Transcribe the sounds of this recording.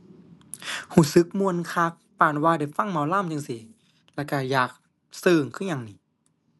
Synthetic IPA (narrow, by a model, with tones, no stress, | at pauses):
huː˧˩sɯ˨˦˥k̚mu˧ə˨nkʰaː˧˩k̚paː˨˩nwaː˧da˨˩jfa˧˥˨ŋma˧˦wlaː˧˥˨mt͡ɕɯ˧ŋsi˨˦ | lɛː˧˩wka˧˩jaː˨˩k̚ | sɯː˧˩ŋkʰɯ˧˥˩ɲaː˧ŋniː˨˧˦